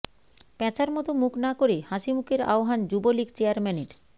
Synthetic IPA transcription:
pɛt͡ɕʰaɾmɔt̪omuknakoɾehaʃimukeɾa̰oɦand͡ʑubolikt͡ɕeaɾmɛneʈ

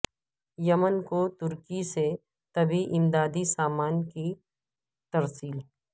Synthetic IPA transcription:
jɐmənkot̪ʊɾkise | t̪ɐbʱiʔɪmd̪aːd̪isaːmaːnki | t̪ɐɾsiːl

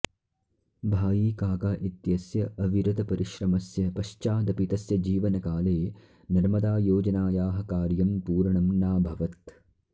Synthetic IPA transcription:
bʱaːjiːkaːkaːʔit̪jɐsjɐʔɐʋiɾɐd̪ɐpɐɾiʃɾɐmɐsjɐpɐʃt͡ʃaːd̪ɐpit̪ɐsjɐd͡ʒiːʋɐnɐkaːleː | nɐɾmɐd̪aːjoːd͡ʒɐnaːjaːɦɐkaːɾjɐmpuːɾɐɳɐmnaːbʱɐʋɐt̪

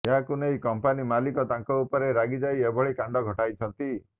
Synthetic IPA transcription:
eɦakunejkɔmpanimalikɔt̪ãŋkɔupɔɾeɾaɡid͡ʒajebʱɔɭikãɳɖɔɡʱɔʈajt͡ʃʰɔnt̪i

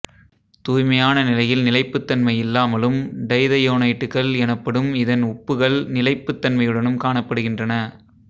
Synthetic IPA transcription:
t̪uːjmɐjaːnɐnɪlɐjɪlnɪlɐɪpːɯt̪ːɐnmɐjɪlːaːmɐlɯmɖɐɪðɐjoːnɐɪʈːɯkːɐɭɛnɐpːɐɽɯmɪðɐnʊpːɯɣɐɭnɪlɐɪpːɯt̪ːɐnmɐjɯɽɐnɯmkaːɳɐpːɐɽɯɣɪndrɐnɐ

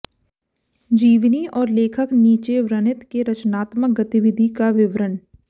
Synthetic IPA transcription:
d͡ʒiːʋniɔːɾleːkʰəkniːt͡ʃeʋɾənɪt̪keɾɐt͡ʃnaːt̪mək̚ɡɐt̪iʋɪd̪ʱikaʋɪʋɾən

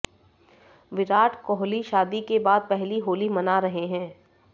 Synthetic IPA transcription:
ʋɪɾaːʈʰkɔːɦliʃaːd̪ikebaːd̪̚pɛɦliɦoːlimɐnaɾɐɦeɦɛ̃ː

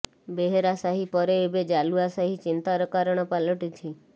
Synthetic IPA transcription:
beɦeɾasaɦipɔɾeːbed͡ʒaluasaɦit͡ʃint̪aɾɔkaɾɔɽ̃ɔpalɔʈit̪ʰi

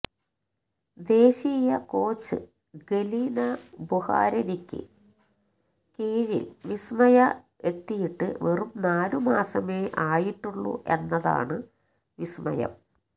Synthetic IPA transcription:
d̪e̞ːɕiːjɐko̞ːt͡ɕːɨ̰ | ɡelinɐbuha̰ːɾɐnikʲːɨ̰ | kiːɻḭlʋismɐjɐ | e̞t̪ːijiʈːɨ̰ʋerumnaːlumaːsɐme̞ːʔaːjiʈːuɭːṵʔe̞nːɐða̰ːɳɨ | ʋismɐ̰jɐ̰m

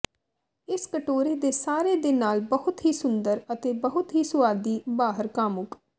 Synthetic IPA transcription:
ɪskəʈoːɾeːd̪eːsaːɾeːd̪eːnaːlbəɦʊt̪ɦiːsʊnd̪əɾət̪eːbəɦʊt̪ɦiːsʊʋaːd̪iːbaːɦəɾkaːmʊk

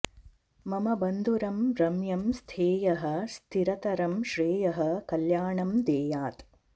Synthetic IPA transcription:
mɐmɐbɐnd̪ʱuɾɐmɾɐmjɐmst̪ʰeːjɐɦɐ̆st̪ʰiɾɐt̪ɐɾɐmʃɾeːjɐɦɐ̆kɐljaːɳɐmd̪eːjaːt̪

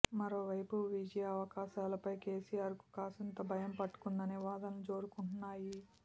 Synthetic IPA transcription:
mɐɾoːʋɐjpuʋid͡ʒɐjaɐʋɐkaːʃaːlɐpɐjke̞ːsijaːɾku̥kaːsɐnt̪ɐbʱɐjɐmpɐʈːu̥kund̪ɐneʋaːd̪ɐnlut͡ʃo̞ːɾukuɳʈunːaːji

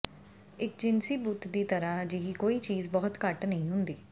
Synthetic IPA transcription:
ɪk̚d͡ʒɪnsiːbuːt̪d̪iːt̪əɾaːd͡ʒiɦiːkoːiːt͡ʃiːzbɔːt̪kəʈnəɦĩːɦʊ̃nd̪iː

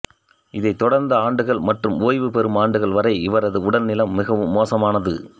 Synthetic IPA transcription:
ɪðɐɪt̪ɔɽɐɾnd̪ɐaːɳɖɯɣɐɭmɐʈrɯmoːjʋɯpɛɾɯmaːɳɖɯɣɐɭʋɐɾɐɪɪʋɐɾɐðɯʊɽɐlnɪlɐmːɪɣɐʋɯmːoːsɐmaːnɐðɯ̰

